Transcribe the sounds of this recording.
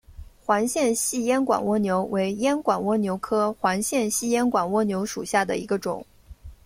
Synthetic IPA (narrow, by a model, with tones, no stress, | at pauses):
xwa˧˥nɕjɛ˥˧nɕi˥˩jɛ˥nkwa̰˨˩nwɔ˥njo˧˥ʊwe˧˥ɪjɛ˥nkwa˨˩nwɔ˥njo˧˥ʊkʰɤ˥xwa˧˥nɕjɛ˥˧nɕi˥˩jɛ˥nkwa˨˩nwɔ˥njo˧˥ʊʂu˨˩ɕja˥˩d̪ə̰˩i˧˥ɡə˧ʈ͡ʂʊ̰˨˩˦ŋ